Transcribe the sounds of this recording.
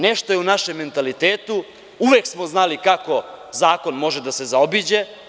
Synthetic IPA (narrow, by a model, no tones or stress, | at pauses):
neʃt̪o̞jeunaʃe̞mːe̞nt̪alit̪eːt̪u | uʋe̞ksmoznalikako̞zaːko̞nmo̞ʒed̪ase̞zaobid͡ʑe